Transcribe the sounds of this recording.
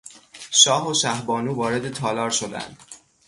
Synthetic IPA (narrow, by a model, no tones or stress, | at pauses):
ʃɒːɦoʃæhbɒːnuːvɒːɾe̞d̪et̪ʰɒːlɒːɾʃod̪æ̰nd̪̥